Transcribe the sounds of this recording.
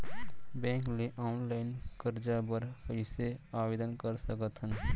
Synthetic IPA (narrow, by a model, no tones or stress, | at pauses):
bɛ̃ːŋkleʔaʊnlaɪnkəɾd͡ʒabəɾpəɦɪseaːbeːd̪ənkəɾsəkət̪ɦən